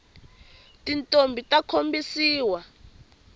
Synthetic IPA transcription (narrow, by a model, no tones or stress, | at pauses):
tintʼombʱitʼakʰombisiːwa